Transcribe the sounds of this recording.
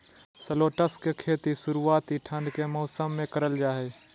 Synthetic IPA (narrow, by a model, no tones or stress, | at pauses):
səloːʈəskekʰeːt̪iʃʊɾuaːt̪iʈʰə̃nd̪kemɔːsəmːẽkɐɾəld͡ʒaːɦeː